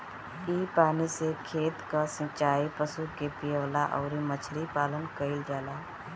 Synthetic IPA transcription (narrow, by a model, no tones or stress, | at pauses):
iːpaːnisekʰeːt̪kəsə̃t͡ʃaːipəsukepijəʋlaʔɔ̰ːɾimət͡ʃʰɾipaːlənkəild͡ʒaːla